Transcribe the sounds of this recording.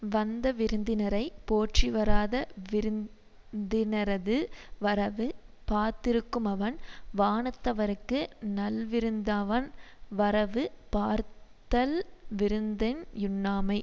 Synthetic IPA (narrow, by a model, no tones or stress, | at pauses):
ʋɐnd̪ɐʋɪɾɯnd̪ɪnɐɾɐɪpoːʈriʋɐɾaːðɐʋɪɾɯn | d̪ɪnɐɾɐðɯʋɐɾɐʋɯpaːɾt̪ɪɾɯkːɯmɐʋɐnʋaːɳɐt̪ːɐʋɐɾɯkːɯnɐlʋɪɾɯnd̪aːʋɐnʋɐɾɐʋɯpaːɾt̪ɐlʋɪɾɯnd̪ɛnjʊnːaːmɐɪ